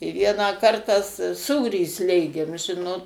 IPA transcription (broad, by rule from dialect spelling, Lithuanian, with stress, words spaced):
ɪ ˈʋʲiɛnɑː ˈkɐrtɑː s ˈsuːrʲiː ˈsʲlʲeːɡʲeːm ˈʒʲɪnoːt